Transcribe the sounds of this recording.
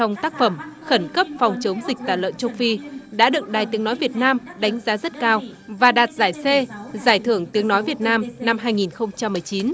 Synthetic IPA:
t͡ɕɔ˧wŋ͡mt̪aː˦˥k̚fə˧˩mxə˧˩nkə˦˥p̚fɔ˨˩wŋ͡mt͡ɕə˨˦wŋ͡mzi˨˩k̟̚t̪aː˧˩lə̰ː˧˨nt͡ɕə˧wfi˧ɗa̰ː˧˥ɗɨ̰˧˨˩ŋ̚ɗaː˨˩jt̪i˨˦ənɔ˨˦jvi˨˩ət̚naː˧mɗa˨˦jŋ̟zaː˨˦zə˦˥t̚kaː˧wvaː˨˩ɗaː˨˩t̚zaː˧˩jse˧zaː˧˩jt̪ʰɨ˧˩əŋt̪i˨˦əŋnɔ˨˦jvi˨˩ət̚naː˧mna˧mɦaː˧jŋi˨˩nxə˧wŋ͡mt͡ɕa˧mːɨ˨˩əjt͡ɕi˨˦n

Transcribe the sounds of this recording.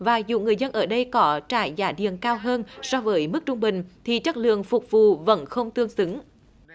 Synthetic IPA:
vaː˨˩zṵ˧˩ŋɨ˨˩əjzə˧nʔəː˧˩ɗə˧jkɔ˨˦t͡ɕa̰ː˧˩jzaː˧˩ɗḭ˧˨ənkaː˧wɦəː˧nsɔ˧vəː˨˦jmɨ˦˥k̚t͡ɕʊ˧ŋ͡mɓï˨˩ŋ̟t̪ʰi˨˩t͡ɕə˦˥t̚lɨ̰˧˨əŋfʊ˨˩k͡p̚vṵ˧˨və̰˧˥nxə˧wŋ͡mt̪ɨ˧əŋsɨ˨˦ŋ

